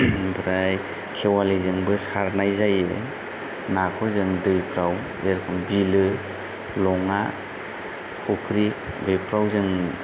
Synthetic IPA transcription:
bɾaj | kʰewalizɯŋbɯsaɾnajzajɯ | nakʰɔzɯŋdɯjpʰɾaw | eɾkʰɔmbilɯ | lɔŋa | kʰukʰɾi | bɯjpʰɾawzɯŋ

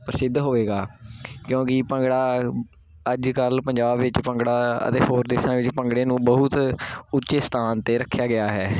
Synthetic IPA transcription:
pəɾəsɪd̪ːɦoːʋeːɡaːkjõːkɪpə̃ŋɡɽaː | əd͡ʒkəlpəɲd͡ʒaːbʋɪt͡ʃpə̃ŋɡɽaːə̰t̪eːɦoːɾd̪eːsãːʋɪt͡ʃpəŋɡɽeːnũːbəɦʊt̪ʊtːʃeːst̪ʰaːnt̪eːɾəkʰːjaːɡɪaːɦɛː

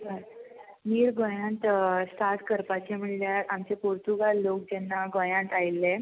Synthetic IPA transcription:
niːɾɡʱõjãnt̪st̪ʰat̪kəɾpat͡ɕem̤əɳljaɾamt͡ɕepuɾt̪uɡalːok̚d͡ʑɛnːaɡõjãnt̪ajlːe

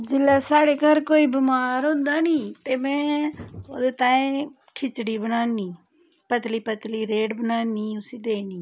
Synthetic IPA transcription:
d͡ʒɪlːaːsaːɽeːkəɾkoːiːbɪmaːɾõːnd̪aːnĩːt̪eːmɛ̃ːoːd̪eːt̪aːẽ | kʰɪt͡ʃɽiːbənaːniː | pət̪liːpət̪liːɾeːɖbənaːniːʊsiːd̪eːniː

